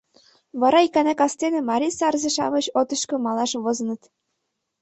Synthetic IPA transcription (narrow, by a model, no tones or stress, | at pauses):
βɑɾɑikænækɑst̪enĕmɑɾʲisɑrzĕʃɑ̰mɤ̆t͡ɕot̪ɤ̆ʃkɤ̆mɑlɑʃβozɤ̆nɤ̆t̪